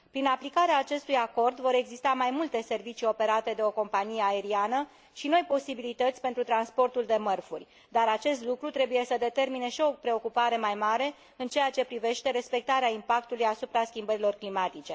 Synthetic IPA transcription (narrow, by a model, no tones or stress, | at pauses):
pɾinaplikaɾeaːt͡ʃe̞st̪ujako̞rd̪vo̞ɾe̞ɡzist̪amajmult̪e̞se̞rvit͡ʃio̞pe̞ɾat̪e̞d̪e̞o̞ko̞mpanijeae̞ɾianə | ʃino̞jpo̞sibilit̪ət̪sʲpent̪ɾut̪ɾanspo̞rt̪uld̪e̞mərfurʲ | d̪aɾat͡ʃe̞st̪lukɾut̪ɾe̞buje̞səd̪e̞t̪e̞rmine̞ʃio̞pɾe̞o̞kupaɾe̞majmaɾe̞ | ɨnt͡ʃe̞jat͡ʃe̞pɾive̞ʃt̪e̞ɾe̞spe̞k̚t̪aɾeaimpak̚t̪ulujasupɾaskʲimbəɾilo̞rklimat̪it͡ʃe̞